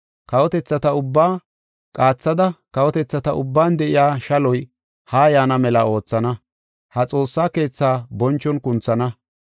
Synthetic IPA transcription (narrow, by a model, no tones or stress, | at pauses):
kɐwɔt̪ɛt͡sːɐt̪ɐʊbːaː | kʼaːt͡sːɐd̪ɐkɐwɔt̪ɛt͡sːɐt̪ɐʔʊ̰bːaːnd̪ɛʔɪjaːʃɐlɔj | haːjaːnɐmɛlɐo̞ːt͡sːɐnɐ | hɐt͡sʼo̞ːsːaːke̞ːt͡sːaːbɔnt͡ʃːɔnkʊnt͡sːɐnɐ